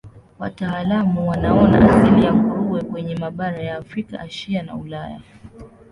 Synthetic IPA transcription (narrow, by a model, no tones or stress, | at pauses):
wa̰taːlamuwanaɔna̰ʔasilijaŋkuɾuwɛkwɛɲɛmaɓaɾajaːfɾika̰ʔaʃiana̰ulaja̰